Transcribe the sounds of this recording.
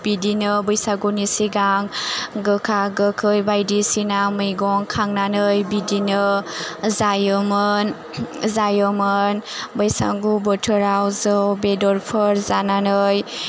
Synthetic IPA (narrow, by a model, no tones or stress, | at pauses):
b̥idinɯbɯjsaɡunisiɡaŋɡɯkʰaɡɯkʰɯjbajdisinamɯjɡɔŋkʰaŋnanɯjbidinɯ | zajəmɯn | zajəmɯnbəjsa̰ɡubɔtʰəɾawzɯwbedɔɾpʰɯɾzananɯj